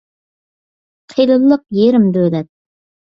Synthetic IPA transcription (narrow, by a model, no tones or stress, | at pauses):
qʰijlˠɨlˠːəq̚jeɾɪmd̪ølɛt̪̚